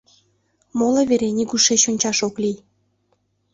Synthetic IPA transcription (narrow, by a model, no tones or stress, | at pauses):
moleβeɾenʲiɡuʃet͡ɕonʲt͡ɕɑʃoklij